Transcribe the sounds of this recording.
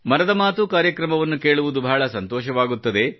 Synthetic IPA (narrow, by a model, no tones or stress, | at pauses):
mɐnɐd̪ɐmaːt̪ukaːɾjɐkɾɐmɐʋɐnːuke̞ːɭuʋud̪ubʱaːɭɐsɐnt̪ɔːʃɐʋaːɡut̪ːɐd̪e̞